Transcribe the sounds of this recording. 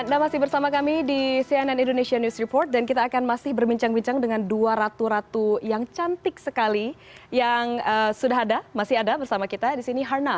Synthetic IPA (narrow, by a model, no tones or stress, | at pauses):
damasɪhbərsamakamidisiɛnɛnindoneʃianjusɾipɔrt̪̚dankit̪aːkanmasɪhbərbiɲt͡ʃaŋbiɲt͡ʃaŋdəŋanduaɾat̪uɾat̪ujaŋt͡ʃant̪ɪk̚səkali | jaŋəsudaɦadamasɪɦadabərsamakit̪adisiniɦarna